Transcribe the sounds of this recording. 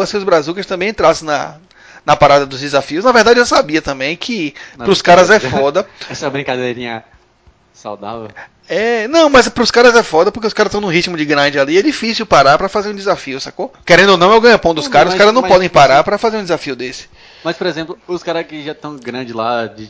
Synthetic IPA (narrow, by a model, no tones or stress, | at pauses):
asĩʊzbɾazukɐst̪ɐ̃bẽj̃ẽnt̪ɾasẽnɐ̰ | nɐpaɾad̪ɐd̪ʊzd͡ʒɪzafiʊsnɐvehd̪ad͡ʒɪewsabiɐt̪ɐ̃mbẽj̃kʰɪpɾʊskaɾɐzɛffɔd̪ɐɛsɐbɾĩŋkad̪eɾĩɲɐ | sawd̪a̰vew | ɛnɐ̃w̃mɐzpɾʊskaɾɐzɛfɔd̪ɐpoɾkeʊskaɾɐst̪ɐ̃w̃nũɦit͡ʃmʊd͡ʒɪɡɾɐ̃d͡ʒɪaliɛd͡ʒifisiwpaɾaɾpɾɐfazeɾũd͡ʒ̪ɪzafiʊsakokeɾẽnd̪onɐ̃w̃ewɡɐ̃ɲɐpɐ̃w̃d̪ʊskkaɾɐzʊskaɾɐznɐ̃pɔd̪ẽj̃paɾaɾpɾɐfazeɾũd̪ɪzafiʊd̪esɪ̥ | mɐspoɾezẽplʊʊskaɾɐkɪʒat̪ɐ̃w̃ɡɾɐ̃d͡ʒɪlad͡ʒɪ